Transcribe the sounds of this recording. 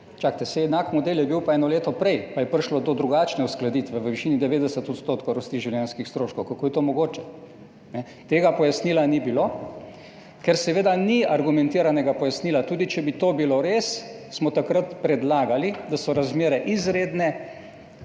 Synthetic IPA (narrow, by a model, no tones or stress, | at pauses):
t͡ʃak̚t̪ɛsɛjɛd̪nakmɔd̪eljɛbiwpaɛːnɔleːt̪ɔpɾɛjpajɛpəɾʃlɔd̪ɔd̪ɾuɡaːt͡ʃnɛusklad̪iːt̪ʋɛʋəʋiʃiːnid̪ɛʋeːd̪ɛsət̪ɔt̪st̪ot̪kowɾɔst̪iːʒiwljɛnskixst̪ɾoːʃkɔwkakoːjɛt̪oːmɔɡoːt͡ʃɛ | nɛ | t̪eːɡapɔjasniːlanibilo | kɛɾsɛʋeːd̪aniaɾɡumɛnt̪iːɾanɛɡapɔjasniːlat̪uːd̪it͡ʃɛbit̪obiloɾessmɔt̪akɾat̪pɾɛd̪laːɡalid̪asɔɾazmeːɾɛʔizɾeːd̪nɛ